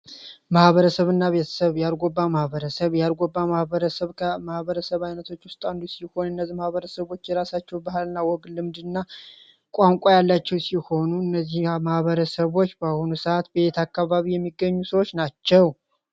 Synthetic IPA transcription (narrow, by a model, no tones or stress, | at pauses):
mahβəɾəsəβɨnːaβe̞t̪ʰə̥səβjalɡʷobːamahbəɾəsəβjalɡʷobːamahβəɾəsəβkʰmahβəɾəsəβajnət̪ʰo̞t͡ʃːwʊst̪ʼand̪usiho̞nɨnːəzːimahβəɾəsəβo̞t͡ʃːjɛɾasat͡ʃːɛwbahalɨnːawɔɡlɨmd̪ɨnːa | kʼaŋkʷʼajalːat͡ʃːɛwsiho̞nuɨnːəzːihmahβəɾəsəβo̞t͡ʃːbahonusəat̪be̞t̪ʰakːaβaβijɛmːiɡːəɲːusəwot͡ʃːnat͡ʃːɛw